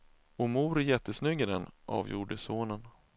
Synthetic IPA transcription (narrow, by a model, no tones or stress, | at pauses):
ɔmuːɾjɛt̪ʰːəsnʏɡːɪd̪ɛnʔɑ̰ːvjṵːɖəsoːnən